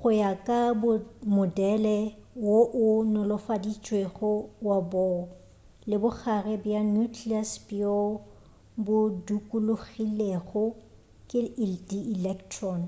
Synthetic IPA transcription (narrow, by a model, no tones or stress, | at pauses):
χʊjakʼabʊmʊdɛlɛwoʔʊnʊlʊfadit͡ʃʼweɣʊwabɔ | lɪbʊk͡xʰarɛbjanukʰliaspʼiɔ | bʊdukʼulʊɣileɣʊ | kʼɪdiilɛktʰrɔn